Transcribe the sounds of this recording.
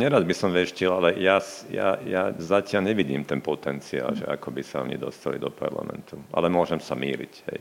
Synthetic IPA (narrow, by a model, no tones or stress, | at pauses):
ɲɛɾad̪bisɔmʋɛʃcilalɛjasja̰jazacɪaʎɲɛʋiɟiːmt̪ɛnpɔt̪ɛnt͡sia̰ːlʒɛ̰ʔa̰kɔbisaɔ̰ɲḭd̪ɔst̪alḭd̪ɔpa̰ɾla̰mɛ̰nt̪uʔa̰lɛmʊɔʒɛmsamiːlḭchɛ̰j